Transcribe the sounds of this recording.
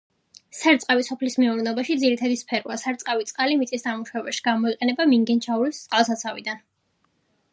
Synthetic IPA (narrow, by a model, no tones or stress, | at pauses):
saɾt̪sʼqʼawisɔpʰlismiuɾnɛɔbaʃid̪ziɾit̪ʰad̪ispʰɛɾua̰saɾt̪sʼqʼavit̪sʼqʼalimit̪sʼisnamuʃwɛbɛʃi̥ɡamɔiqʼɛnɛbamiŋɡɛnt͡ʃʰauɾist̪sʼqʼalˠsat̪sʰavḭd̪an